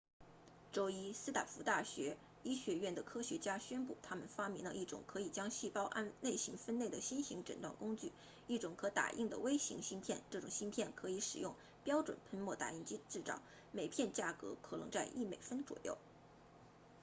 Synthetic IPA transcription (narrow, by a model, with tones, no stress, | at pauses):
ʈ͡ʂo˥ʊi˥sɹ̩˥t̪ʰa̰˨˩fu˧˥t̪a˥˩ɕɥɛ˧˥ | i˥ɕɥɛ˧˥ɥɛ˥˩nd̪ə˩kʰɤ˥ɕɥɛ˧˥t͡ɕja˥ɕɥɛ˥npu˥˩t̪ʰa˥mə˨nfa˥mi˧˥ŋlə̰˧ʔi˥˩ʈ͡ʂʊ̰˨˩ŋkʰɤ˧˥i˨˩t͡ɕjɑ˥ŋɕi˥˩pɑ˥ʊʔa̰˥˧nle˥˩ɪɕi˧˥ŋfə˥ne˥˩ɪd̪ə˩ɕi˥nɕi˧˥ŋʈ͡ʂə̰˨˩nt̪wa˥˩nkʊ˥ŋt͡ɕy˥˩ | i˥˩ʈ͡ʂʊ˨˩ŋkʰɤ˧˥t̪a̰˨˩ʔi˥˩ŋd̪ə̰˩we˥ɪɕḭ˧˥ŋɕi˥npʰjɛ˥˧nʈ͡ʂɤ˥˩ʈ͡ʂʊ˨˩ŋɕi˥npʰjɛ˥˩nkʰɤ˧˥i˧˥ʂɻ̩˨˩jʊ˥˩ŋ | pjɑ˥ʊʈ͡ʂwə̰˨˩npʰə˥nmwɔ˥˩t̪a̰˨˩i˥˩ŋt͡ɕi˥ʈ͡ʂɻ̩˥˩t͡sɑ̰˨˩˦ʊ | me˨˩ɪpʰjɛ˥˧nt͡ɕja˥˩kɤ̰˧˥kʰɤ˨˩lɤ˧˥ŋt͡sa˥˧ɪʔi˥˩mḛ˨˩ɪfə˥nt͡swɔ̰˨˩jo̰˥˩ʊ